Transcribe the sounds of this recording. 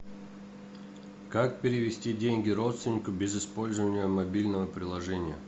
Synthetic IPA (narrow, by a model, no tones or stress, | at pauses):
kak̚pʲɪɾʲɪvʲɪsʲtʲidʲenʲɡʲɪɾo̞t̪st̪vʲɪnʲɪkʊbʲɪzɪspo̞lʲzəvənʲɪjəmɐbʲilʲnəvəpɾʲɪlˠɐʐɛnʲɪjə̰